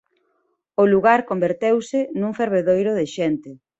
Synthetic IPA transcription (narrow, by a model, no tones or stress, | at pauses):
ʊluɣaɾkombeɾt̪ewsɪnuŋfeɾβeðojɾʊðɪʃɛnt̪ɪ